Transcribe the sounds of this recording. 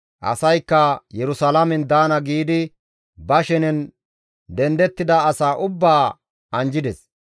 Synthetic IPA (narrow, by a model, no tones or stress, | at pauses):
ʔɐ̰sɐjkːɐjɛɾʊsɐlɐmɛnd̪aːnɐɡiːd̪ɪ | bɐʃɪnɛn | d̪ɛnd̪ɛt̪ːɪd̪ɐːsaːʔʊbːaː | ɐnd͡ʒɪd̪ɛs